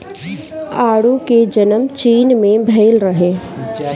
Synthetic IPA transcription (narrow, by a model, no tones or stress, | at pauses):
aːɽuked͡ʒɐnəmt͡ʃiːnmẽbʱeːlɾəɦeː